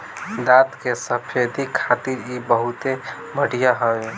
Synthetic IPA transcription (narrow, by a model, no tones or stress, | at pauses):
d̪at̪kesəpʰed̪ʱikʰat̪iɾibəɦut̪e | bəɽijaɦəe